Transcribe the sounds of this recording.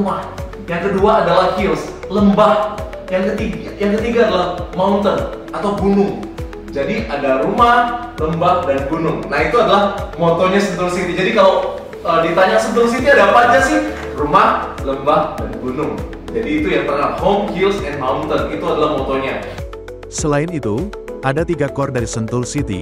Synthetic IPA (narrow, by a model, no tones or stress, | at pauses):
mah | jaŋkəduaːdalahkils | ləmbah | jaŋkət̪iɡ | jaŋkət̪iɡaːdalahmaunt̪ən | at̪awɡunʊŋ | d͡ʒadiʔadaɾumah | ləmbahdanɡunʊŋnahit̪uadalahmot̪oɲasənt̪ʊŋsit̪id͡ʒadikalow | ədit̪aɲasənt̪ʊlsit̪iadapad͡ʒasɪh | rumahləmbahdanɡunʊŋ | d͡ʒadiːt̪ujaŋt̪əŋahomkilsɛnmaunt̪ənit̪uadalahmot̪oɲa | səlaɪnit̪u | ʔadat̪iɡakɔrdaɾisənt̪ʊlsit̪ḭ